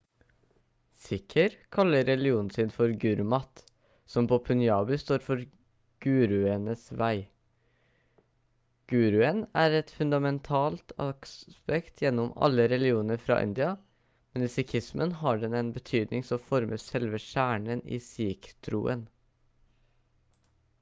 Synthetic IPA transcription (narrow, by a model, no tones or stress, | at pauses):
sɪkʰəɾkʰɑlːəɾɛlɪuːnn̩sɪnfɔɾɡʉɾmɑt̪ | sɔmpʰoːpʰʉnjɑːbɪst̪oːɾfɔɾ | ɡ̥ʉːɾʉənəsʋæɪ | ɡ̥ʉːɾʉənæːɾɛt̪fʉnd̪ɑmɛnt̪ʰɑːlt̪ɑkspɛkt̪ʰjɛnːɔmɑ̰lːəɾɛlɪuːnəɾfɾɑ̰ːʔɪ̰nd̪ɪɑ | mɛnɪsɪkʰɪsmʔənɦɑɖɛnɛnbət̪ʰyːd̪nɪŋsɔmfɔɾmʔəsɛlʋəʃæːɳənḭːsiːkt̪ʰɾṵːʔə̰n